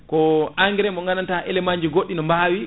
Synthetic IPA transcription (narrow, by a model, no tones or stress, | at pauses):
kɔaŋɡɛɾɛmbɔŋɡanantaʔɛlɛmaɲd͡ʒiɡoɗːinɔmbawi